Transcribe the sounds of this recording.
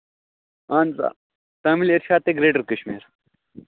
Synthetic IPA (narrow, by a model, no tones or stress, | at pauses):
aːnt͡sa̰ | t̪ɐːmileɾʃaːt̪̚ːeɡɾeːɖəɾkəɕmḭːɾ